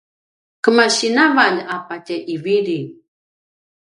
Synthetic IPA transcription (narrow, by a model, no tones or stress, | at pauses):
kəmaɕinavaʎapaceʔiviɾi